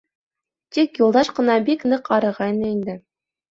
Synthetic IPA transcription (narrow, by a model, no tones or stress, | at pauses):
t̪ikjulˠd̪ɑʃqɤ̆nɑbiknɤqɑɾɤ̆ʁɑjnɤind̪ɘ